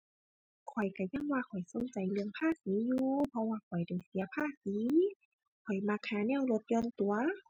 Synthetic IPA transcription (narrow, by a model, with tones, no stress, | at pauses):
kʰɔ˨˩jka˧˩ja˧˥˨ŋwaː˧kʰɔ˨˩jso˨˧˦nt͡ɕa˨˩jlɯ˧əŋpʰaː˥˨k̚iː˨˦juː˧pʰɔ˧waː˧˩kʰɔ˨˩jda˧˩jsi˨˦ɐpʰaː˧˥˩k̚siː˨˦ | kʰɔ˨˩jma˧˥k̚haː˧˦nɛː˧˥˨wlo˧t̪̚jɔː˧˨nt̪u˨˩˦ɐ